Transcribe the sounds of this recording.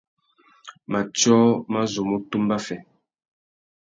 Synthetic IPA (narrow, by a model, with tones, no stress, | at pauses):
ma˨t͡ʃɔ˦ma˦zo˨mo˦tu˦mba˦fɛ˨